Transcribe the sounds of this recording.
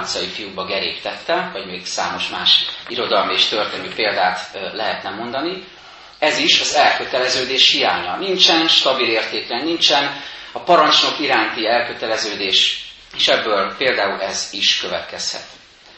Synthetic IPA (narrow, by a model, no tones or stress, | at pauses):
nt̪sɒjifijubɒɡɛɾeːpt̪ɛt̪ːɛvɒɟmeːɡsa̰ːmo̞ʃmaːʃiɾo̞d̪ɒlmieːʃt̪ø̞rt̪eːnyːpeːld̪aːt̪lɛɦɛt̪nɛmo̞nd̪ɒni | ɛziʃɒzɛlkøt̪ɛlɛzøːd̪eːʃhija̰ːɲɒnint͡ʃɛnʃt̪ɒbileːrt̪eːklɛnːint͡ʃɛnɒpɒɾɒnt͡ʃno̞kiɾaːnt̪iɛlkø̞t̪ɛlɛzøːd̪eːʃ | eːʃɛbːøːlpeːld̪aːulɛziʃkøvɛt̪kɛshɛ̰t̪